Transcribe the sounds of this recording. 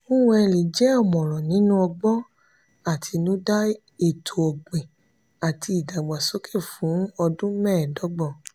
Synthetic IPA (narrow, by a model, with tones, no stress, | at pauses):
o˦ũ˧˦ɛ˧li˨d͡ʒɛ˨˦ɔ˦˨mɔ̃˨ɾ̃ɔ̃˨nĩ˨˦nũ˦ɔ˧ɡ͡bɔ˦ | a˦˨tʰi˧nũ˦da˦ | e˦˨tʰo˨ɔ˨ɡ͡be˨ | a˨ti˧i˨da˨ɡ͡ba˨so˦kʰe˦˨fũ˨˦ɔ˧dũ˦mɛ̃ː˦˨dɔ˨˦ɡ͡bɔ˦˨